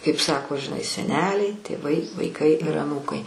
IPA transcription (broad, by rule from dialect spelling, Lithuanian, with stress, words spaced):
kɐɪp ˈsɑːkoː ʒʲɪˈnɐɪ sʲɛˈnʲæːlʲɛɪ tʲeːˈʋɐɪ ʋɐɪˈkɐɪ ɪr ɐˈnuːkɐɪ